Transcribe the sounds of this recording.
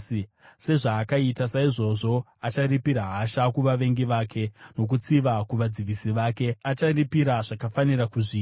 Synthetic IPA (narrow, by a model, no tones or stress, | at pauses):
se̞ʐaːkaitasaiʐo̞ʐo̞ | at͡ʃaripiɾaɦaʃakuʋaʋe̞ŋɡiʋaːkʰe̞no̞k̬ut͡siʋakuʋad͡ziʋisiʋake̞at͡ʃaripiɾaʐ̥akafanirakuʐiː